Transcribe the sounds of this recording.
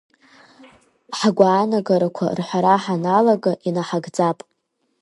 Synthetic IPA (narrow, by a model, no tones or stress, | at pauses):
ħaɡʷaːnaɡaɾakʷʰa̰rħʷaɾaħanalaɡaʔinaħaɡd͡zapʼ